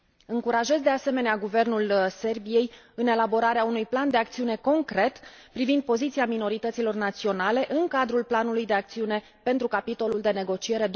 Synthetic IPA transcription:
ɨŋkuɾaʒe̞zd̪e̞ase̞me̞neaɡuve̞rnulse̞rbije̞j | ɨne̞labo̞ɾaɾeaunujpland̪eak̚t̪siune̞ko̞ŋkɾe̞t̪ | pɾivind̪̚po̞zit̪siamino̞ɾit̪ət̪silo̞rnat̪sio̞nale̞ʔɨŋkad̪ɾulplanulujd̪e̞ak̚t̪siune̞ | pe̞nt̪ɾukapit̪o̞luld̪e̞ne̞ɡo̞t͡ʃie̞ɾe̞d̪

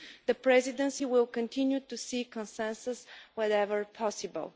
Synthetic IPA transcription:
ðəpɹɛzid̪ɛ̃nsiwɪlˠkə̃ntʰĩnjutusikɔ̃nsɛ̃nsəswɔɾɛvə˞pʰɔsibə̰lˠ

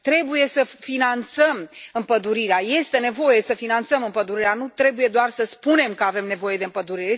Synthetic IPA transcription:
t̪ɾe̞buje̞səfinant̪səmɨmpəd̪uɾiɾeaje̞st̪e̞ne̞vo̞je̞səfinant̪səmɨmpəd̪uɾiɾeanut̪ɾe̞buje̞d̪oarsəspune̞mkəave̞mne̞vo̞je̞d̪e̞ɨmpəd̪uɾiɾe

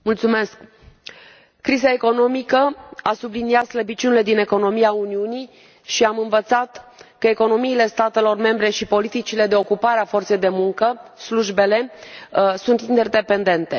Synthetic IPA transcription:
mult̪sume̞sk | kːɾizae̞ko̞no̞mikəasubliniat̪sləbit͡ʃunile̞d̪ine̞ko̞no̞miauniuni | ʃiamɨnvət̪sat̪kəe̞ko̞no̞miːle̞st̪at̪e̞lo̞rme̞mbɾe̞ʃipo̞lit̪it͡ʃile̞d̪e̞o̞kupaɾeafo̞rt̪se̞jd̪e̞muŋkəsluʒbe̞le̞ | sunt̪ind̪erd̪e̞pe̞nd̪e̞nt̪e̞

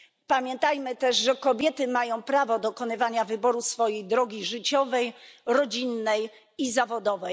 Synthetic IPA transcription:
pamʲjɛnt̪ajmɘt̪ɛʂʐɛkɔbʲjɛt̪ɘmajɔ̃w̃pɾavɔd̪ɔkɔnɘvaɲavɘbɔɾusfɔjejd̪ɾɔɡʲiʐɘt͡ɕɔvɛjɾɔd͡ʑinːɛj | izavɔd̪ɔvɛj

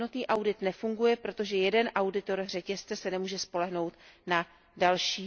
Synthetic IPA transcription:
not̪niːʔawdɪt̪nɛfuŋɡujɛpɾo̞t̪o̞ʒɛjɛdɛnʔawdɪt̪o̞ɾr̝ɛcɛst͡sɛsɛnɛmuːʒɛspo̞lɛɦno̞wt̪na | dalʃiː

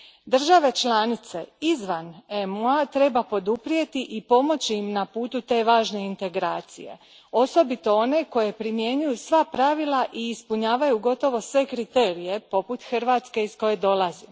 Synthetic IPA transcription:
d̪r̩ʒaʋe̞t͡ʃlaːnit̪se̞izʋanemuat̪ɾe̞bapo̞d̪upɾije̞t̪iʔipo̞mo̞t͡ɕiimnapuːt̪ut̪e̞ːʋaːʒne̞int̪e̞ɡɾaːt̪sḭje̞̰ | o̞so̞bit̪o̞o̞ne̞ko̞je̞pɾimje̞ɲujusʋapɾaʋilˠaʔiːspuɲaːʋajuɡo̞t̪o̞ʋo̞sʋe̞kɾit̪e̞ːɾije̞po̞put̪xr̩ʋaːt̪ske̞isko̞je̞d̪o̞lˠazi

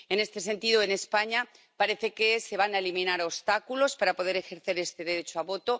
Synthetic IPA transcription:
e̞ne̞st̪e̞se̞nt̪iðoene̞spaɲa | paɾe̞θe̞kese̞β̞anaelimĩnaɾost̪akulo̞spaɾapo̞ð̞e̞ɾe̞xe̞ɾθe̞ɾe̞st̪e̞ðe̞ɾe̞t͡ʃoaβo̞t̪o̞

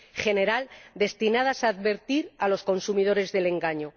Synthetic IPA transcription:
χe̞ne̞ɾald̪e̞st̪inað̞asaːðβe̞ɾt̪iɾalo̞sko̞nsumið̞o̞ɾe̞zðe̞le̞ŋɡaɲo̞

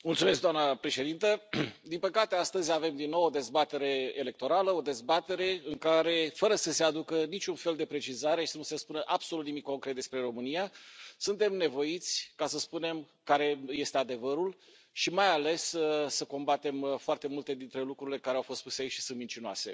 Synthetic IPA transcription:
mult̪sume̞s̬kd̪amnəpɾe̞ʃe̞d̪int̪əd̪inpəkat̪e̞ast̪əzʲave̞md̪inːo̞wo̞d̪e̞zbat̪e̞ɾe̞ele̞k̚t̪o̞ɾaləod̪e̞zbat̪e̞ɾe̞ɨŋkaɾe̞fəɾəsəse̞ad̪ukənit͡ʃʲunfeld̪e̞pɾe̞t͡ʃizaɾe̞ʃisənuse̞spunəʔab̥solut̪nimĩko̞ŋkɾet̪d̪e̞spɾe̞ɾo̞mɨnijasunt̪e̞mne̞vo̞jit̪sʲkasəspune̞m | kaɾe̞je̞st̪ead̪e̞vəɾul | ʃimajale̞sːəko̞mbat̪e̞mfoart̪e̞mult̪e̞d̪int̪ɾe̞lukɾuɾile̞kaɾeawfo̞st̪̚puseait͡ʃʲʃi̥sunt̪mint͡ʃinoa̰se̞̰

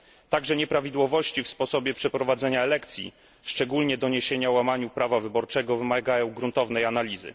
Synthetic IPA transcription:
t̪aɡʐɛɲɛpɾavʲid̪wɔvɔɕt͡ɕifspɔsɔbʲjɛpʂɛpɾɔvad̪zɛɲaɛlɛkt̪sʲjḭ | ʂt͡ʂɛɡulɲɛd̪ɔɲeɕeɲawamaɲupɾavavɘbɔɾt͡ʂɛɡɔvɘmaɡajɔ̃w̃ɡɾunt̪ɔvn̪ɛjanalʲizɘ̰

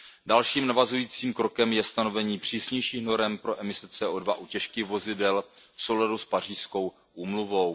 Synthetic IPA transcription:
dalʃiːmnavazujiːt͡siːmkɾo̞kɛmjɛst̪ano̞vɛɲiːpr̝̥iːsɲɛjʃiːxno̞ɾɛmpɾo̞ʔɛmɪsɛt͡sɛːʔoːdvaʔucɛʃkɪɣvo̞zɪdɛlfso̞wladuspar̝iːsko̞w | ʔuːmluvo̞w

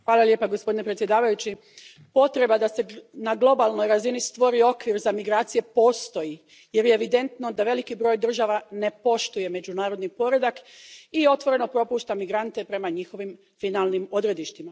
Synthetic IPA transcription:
xʋaːlˠalje̞ːpaɡo̞spod̪ine̞pɾet̪sʲje̞d̪aːʋajut͡ɕi | po̞t̪ɾe̞bad̪ase̞naɡlˠo̞balˠno̞jɾazinist̪ʋo̞ɾio̞kʋiɾzamiɡɾaːt̪sije̞po̞ːst̪o̞ji | je̞ɾjeːʋid̪e̞nt̪no̞d̪aʋe̞likibɾo̞jd̪r̩ʒaːʋane̞po̞ʃt̪uje̞me̞d͡ʒunaːɾo̞d̪nipo̞ɾe̞d̪akio̞t̪ʋo̞ɾe̞no̞pɾo̞puːʃt̪amiɡɾant̪e̞pɾe̞maɲixo̞ʋim | finalnimo̞d̪ɾe̞d̪iʃt̪ima

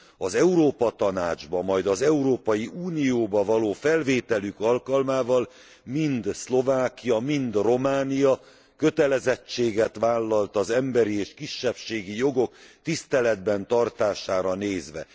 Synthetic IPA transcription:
ɒzɛuɾoːpɒt̪ɒnaːd͡ʒbɒmːɒjd̪ɒzɛuɾoːpɒjiuːnijoːbɒvɒloːfɛlveːt̪ɛlykɒlkɒlmaːvɒl | mind̪slo̞vaːkijɒmind̪ro̞maːnijɒ | kø̞t̪ɛlɛzɛt͡ʃːeːɡɛt̪ʋaːlːɒlt̪ɒzɛmbɛɾieːʃkiʃːɛpʃeːɡijo̞ɡo̞kt̪ist̪ɛlɛd̪bɛnt̪ɒrt̪aːʃaːɾɒneːzʋɛ̰

